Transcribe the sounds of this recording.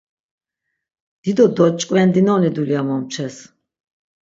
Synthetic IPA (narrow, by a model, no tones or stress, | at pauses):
d̪̥id̪ɔd̪ɔt͡ʃʼkʼwɛnd̪inɔnid̪uliamɔmt͡ʃʰɛs